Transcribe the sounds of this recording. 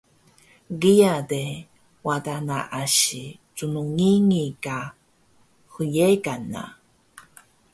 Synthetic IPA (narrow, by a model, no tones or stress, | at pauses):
ɡiade | wadana̰ʔaɕi | t͡sunuŋiŋika | xujekana̰